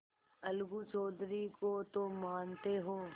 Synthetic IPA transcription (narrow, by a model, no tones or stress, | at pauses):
ɐlɡut͡ʃɔːd̪ɾikot̪omaːnt̪eɦoː